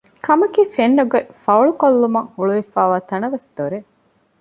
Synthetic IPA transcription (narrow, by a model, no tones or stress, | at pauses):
kʰɐmɐkiːfenːuɡefɐuɭukolːumɐŋhuɭuʋifæːʋaːt̪ɐnɐʋesd̪oɾe